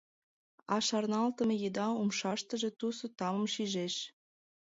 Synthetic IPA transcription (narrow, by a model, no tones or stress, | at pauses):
ɑʃɑrnɑlt̪əmĕjed̪ɑumʃɑʃt̪əʒe̽t̪usot̪ɑmə̆mʃiʒeʃ